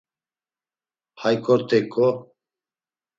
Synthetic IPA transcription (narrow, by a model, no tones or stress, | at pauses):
hajkʼɔɾt̪ʰʼɛkʼɔ